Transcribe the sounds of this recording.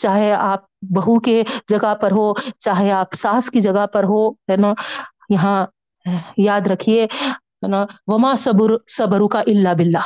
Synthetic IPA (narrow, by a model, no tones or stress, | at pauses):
t͡ʃaːɦeaːp̚bɐɦuked͡ʒɐɡapɐɾɦot͡ʃaːɦeaːpsaːskid͡ʒɐɡəpɐɾɦoɦɛnaː | jɐɦã | jaːd̪ɾɐkʰie | ɦɛnaʋɐmaːsɐbʊɾsɐbɐɾukaʔɪlːabɪlːaː